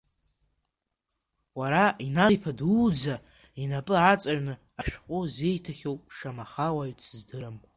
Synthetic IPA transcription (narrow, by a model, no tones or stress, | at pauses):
waɾainajpʰadud͡za | inapʼɨat͡sʼarnɨ | aʃᶣqʷʼʊze̞jtʰaχʲowpʼʂamaχawaɥt͡sʰzdɨɾɨm